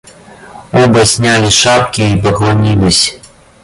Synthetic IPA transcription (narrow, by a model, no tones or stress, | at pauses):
ɔbɐsʲnʲalʲiʂap̚kʲiːpɐɣlˠanʲilʲisʲ